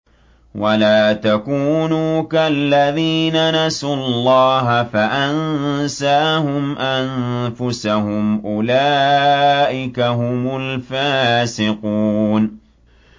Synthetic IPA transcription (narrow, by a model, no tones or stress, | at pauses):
wʔalaːt̪akuːnuːkalːaðiːnanasʊllˤːɑːɦafaʔannsaːhʊmʔanfʊsahʊmʔʊlaːʔɪkaɦʊmʊlfaːsɪquːn